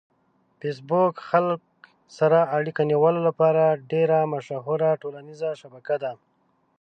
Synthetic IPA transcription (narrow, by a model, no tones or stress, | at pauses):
fes̬bokxalk | saɾaːɽikaniwəlolapɑɾaɖeɾamaʃaɦʊɾaʈolanizaʃabakad̪a